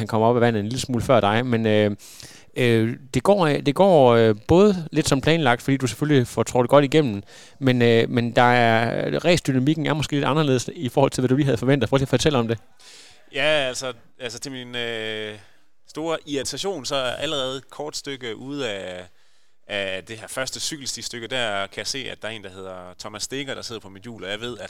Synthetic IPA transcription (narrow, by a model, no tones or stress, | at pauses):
ænkʰɒ̽m̰ɐɒ̽b̥æʋæn̰ð̩ˠenliləsmuːləfɶɐ̰d̥ɑ̈ɪmenø | ød̥e̝ɡ̥ɒ̰ːd̥e̝ɡ̥ɒ̰ːøb̥ɔ̽ːð̞ˠəle̝d̥sɒ̽mpʰlɛːnlɑ̈ɡ̥d̥fd̥ḭːd̥use̥føllifɒt͡sʰo̰ːd̥e̝ɡ̥ɒ̽ɾ̥iɡ̥em̰n̩nn̩ | menmend̥ɑ̈æɐʁɛ̰ːsd̥ynæmiɡ̥̚n̩æɐmɒ̽sɡ̥e̝̰ːle̝d̥ɑ̈nɐle̝ð̩̰ˠsifɒːhɒ̽l̰t͡sʰe̝lʋæduliːɦæð̩ˠfɒ̽ʋen̰d̥ð̩ˠfʁœɡ̥i̥fɒt͡sʰel̰ɒ̽md̥e̝ | jæælsɒ | ælsət͡sʰe̝lminø | sd̥o̝ːɐʔiæt͡sʰæɕo̝̰ːnsɒ̽æɐɐʔæləʁɛːð̞̩ˠkʰɒːd̥sd̥øɡ̥əʔuð̞̰ˠæ | d̥e̝hæɐ̰fɶɐsd̥əsyɡ̥l̩sd̥isd̥øɡ̥əd̥æɐkʰæjäse̝̰ːæd̥ɑ̈ɐe̝ːnd̥ɑ̈he̝ð̞ˠɐt͡sʰɒ̽mæsːd̥e̝ɡ̥ɐɾ̥ɑ̈se̝ð̞̰ˠɐpʰɒ̽mid̥jṵːlɒjɑ̈ɪʋe̝ð̞̰ˠæd̥